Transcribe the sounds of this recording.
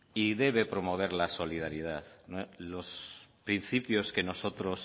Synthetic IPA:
iðe̞β̞e̞pɾo̞mo̞β̞e̞ɾlaso̞liðaɾjið̞aðnlospɾin̟θipjo̞ske̞no̞so̞t̪ɾo̞s

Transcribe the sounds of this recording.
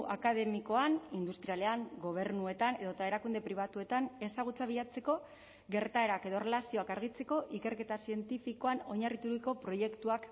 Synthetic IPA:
ʔakaðe̞miko̞anind̪ust̪ɾiale̞aŋɡo̞β̞e̞ɾnue̞t̪aneðo̞t̪ae̞ɾakund̪e̞pɾiβ̞at̪ue̞t̪ane̞saɣ̞ut͡saβiʎat͡se̞ko̞ | ɣe̞ɾt̪ae̞ɾake̞ðo̞re̞lasio̞akaɾɣ̞it͡se̞ko̞ʔike̞ɾke̞t̪asie̞nt̪ifiko̞ano̞ɲarit̪uɾiko̞pɾo̞je̞kt̪uak

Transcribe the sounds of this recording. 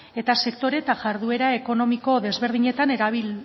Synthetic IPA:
e̞t̪ase̞kt̪o̞ɾe̞t̪aʝaɾðue̞ɾae̞ko̞no̞miko̞ðe̞zβe̞ɾð̞iɲe̞t̪ane̞ɾaβ̞il

